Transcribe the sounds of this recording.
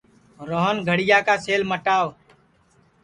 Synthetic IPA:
ɾoɦənɡʱəɽɪjaːkaːseːlməʈaːʋ

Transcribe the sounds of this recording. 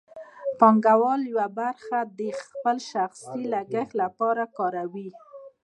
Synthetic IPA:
pɑŋɡawɑljwabaɾxad̪əxpəlʃaxsilaɡəxlapɑɾakɑɾawi

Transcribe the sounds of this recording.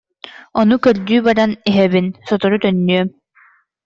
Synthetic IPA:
ɔnukœɾd̪yːbaɾaniɦɛbinsɔt̪ɔɾut̪œnːyœm

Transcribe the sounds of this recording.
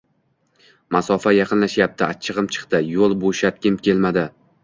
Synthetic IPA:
masɒfajɑqʰɨnlaʃjap̚t̪ʰɪat͡ʃʰɨʁɨmt͡ʃʰɨ̥qt̪ɪjolˠboʃat̪̚kʲɪmkʲʰe̞lmad̪ɪ

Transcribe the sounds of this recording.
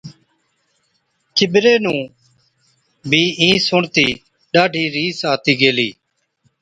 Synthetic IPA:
kɪbɾeːnũː | bʱiːĩːsʊɳt̪iː | ɗaːɖʱiːɾiːsaːt̪iːɡeːliː

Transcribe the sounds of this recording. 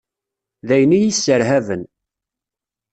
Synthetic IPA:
ðæjənijisːəɾɦævən

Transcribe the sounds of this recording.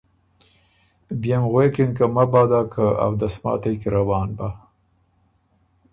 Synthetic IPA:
bjamɣwekɪnkamabɑːd̪akʰəa̰wd̪asmɑ̰t̪ajkiɾawɑːnba

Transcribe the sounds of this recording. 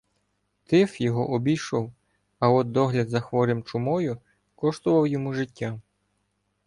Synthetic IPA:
t̪ɪfjɔɦɔʔɔbʲiʃɔw | ɐɔd̪̚d̪ɔɦlʲɐd̪zɐxʋɔɾɪmt͡ʃʊmɔjʊ | kɔʃt̪ʊʋɐwjɔmuʒɪtʲːa

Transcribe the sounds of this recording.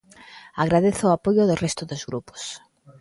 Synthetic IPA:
aɣɾaðeθʊapojʊðʊrɛst̪ʊðozɣɾupo̥s

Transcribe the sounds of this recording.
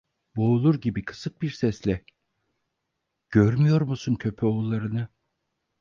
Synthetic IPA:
bo̞ːlˠuɾɟibikʰɯ̥sɯk̚biɾsɛslʲɛ | ɟ̥øɾmyjo̞ɾmusuncʰø̞pʰɛolˠːaɾɯnɯ

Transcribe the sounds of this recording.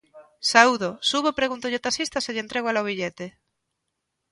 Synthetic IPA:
sauðosuβopɾeɣunt̪ʊʎɪt̪asist̪ɐseʎent̪ɾeɣwalaoβiʎet̪e

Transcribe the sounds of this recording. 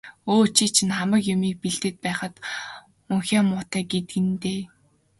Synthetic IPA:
oːt͡ɕʰiːt͡ɕʰĭnχamə̆kjʊmiːk̚piɮt̪ɘ̆t̪̚pæːχə̆t̪ | uŋxʲaːmʊːt̪æːɡet̪ɡɘ̆nt̪eː

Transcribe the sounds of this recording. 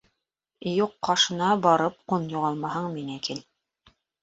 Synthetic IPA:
juqːɑʃɤ̆nɑbɑɾɤp̚qunjuʁɑlˠmɑɦɤɴminækil

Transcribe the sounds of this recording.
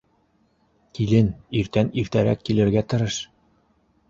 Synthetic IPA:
kilɘniɾt̪æniɾt̪æɾæ̰kːilɘ̆ɾɡæt̪ɤ̆ɾɤʃ

